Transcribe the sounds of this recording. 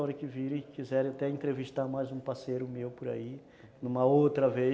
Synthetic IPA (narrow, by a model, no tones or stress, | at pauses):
ɔɾɐkɪviɾẽj̃kizɛɾẽat̪ɛẽnt̪ɾeviʃt̪aɾmajzũpasejɾʊmewpʊɾa̰i | nũmɐowt̪ɾɐve